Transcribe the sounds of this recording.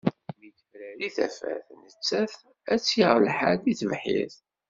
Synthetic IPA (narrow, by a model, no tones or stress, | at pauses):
miθfɾæliθæ̰fæ̰θnət͡sːæθ | æt͡sːjiʁlħaɾd̪iθəvħḭθ